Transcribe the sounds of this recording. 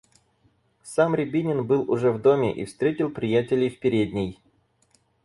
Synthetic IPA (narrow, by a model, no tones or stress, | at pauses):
samɾʲɪbʲinʲɪnbɨlˠʊʐɛvd̪o̞mʲɪ̰ʔḭfst̪ɾʲetʲɪlˠpɾʲɪjætʲɪlʲɪjfpʲɪɾʲed̪ʲnʲɪj